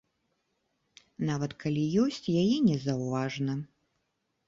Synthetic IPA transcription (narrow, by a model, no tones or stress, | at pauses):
navɐt̪kʰalʲijɔsʲt͡sʲjajɛnʲɛzɐwvaʐnɐ